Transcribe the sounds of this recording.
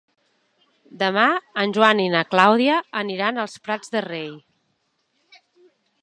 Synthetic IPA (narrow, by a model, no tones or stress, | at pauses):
d̪əmaənʲʒwaninəklawðiəəniɾanəlˠspɾad͡zðərej